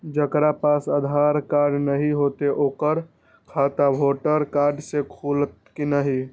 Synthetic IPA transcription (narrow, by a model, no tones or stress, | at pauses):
d͡ʒəkɾapasəd̪ʱaɾkaɾɖnəɦiɦot̪eʔoːkəɾ | kʰat̪abʱoʈəɾkaɾɖsekʰult̪kinəɦi